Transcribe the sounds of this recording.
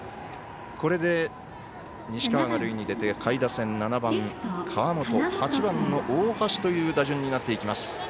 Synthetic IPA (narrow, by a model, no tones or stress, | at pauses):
kʰo̞ɾe̞d̪e̞ | ɲ̟iɕi̥kaaɡaɾɯ̟iɲ̟id̪e̞t̪e̞kʰaid̪asẽ̞nnːanabãŋkʰaβamo̞t̪o̞hat͡ɕibãnːo̞ʔoːhaɕi̥t̪o̞jɯ̟ːd̪aʑɨ̃ɲ̟ːinat̪ːe̞ikʲimasɨ̥